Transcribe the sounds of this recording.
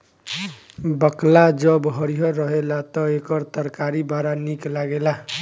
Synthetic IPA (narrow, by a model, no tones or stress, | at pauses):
bəklad͡ʒʌbɦʌɾiɦʌɾʌɦelat̪ɔekʌɾt̪əɾkaɾibaɾaniklaɡela